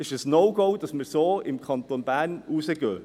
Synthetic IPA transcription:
ɪʃəsnoʊɡoʊd̥ɑsməɾsoːɪmkʰɑnt̪onbæːɾnuːsəɡøː

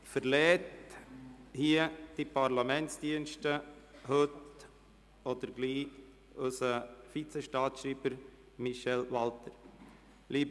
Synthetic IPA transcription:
fəɾlɛːt | hiəd̥ipʰɑɾlɑmɛntsd̥iənʃtəhɵt | ɔd̪əɾɡliː | ʉsəfit͡sɛʃtɑːtʃɾiːbəɾ | miʃɛlʋɑltəɾ | liːb

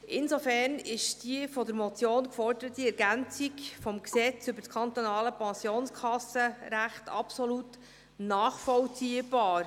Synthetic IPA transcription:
ʔɪnsofɛɾnɪʃd̥iəfɔd̪əɾmɔt͡sjoːnkfɔrdəɾət̪ːiɛɾɡænt͡sikfɔmksɛt͡sʏbəɾtskʰɑnt̪onɑːləpɛnsjoːnskʰɑsəɾæχtɑ̰psɔlut | nɑːχfɔlt͡siəb̥ɑːɾ

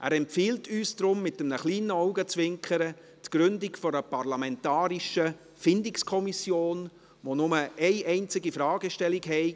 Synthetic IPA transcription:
ʔæ̰ːɾɛmpfiːltyːsd̥ɾʊmːɪtəmnəχliːnəɔʊɡət͡svɪŋkχəɾə | tɡ̥ɾʏndɪkfɔɾəpɑɾlɑmɛntɑːɾiʃə | fɪndɪkskʰɔmisjoːn | ʋonʊməʔɛɪʔɛɪnt͡sɪɡifɾɑːɡəʃtɛlikɦɛɪ

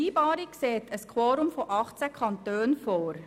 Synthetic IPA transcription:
iːb̥ɑːɾikseːt̪əskʰwoːɾʊmfɔʔɑχt͡səkʰɑntøːnfoːɾ

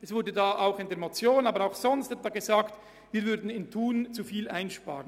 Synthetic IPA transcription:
ʔɛsv̥ʊdədaːʔaʊxɪndeːɐmot͡sjoːnaːbəɾaʊxz̥ɔnstɛtvaɡezaːkt | viːɐvʏɾdn̩ɪntʰuːnt͡sufiːlʔaɪnʃpa̰ːʁən

